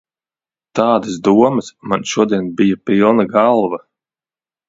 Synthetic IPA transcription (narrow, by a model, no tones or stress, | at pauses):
t̪aːd̪asd̪uɔmɐsmanʃuɔd̪iɛnbijapilˠnaɡalˠvɐ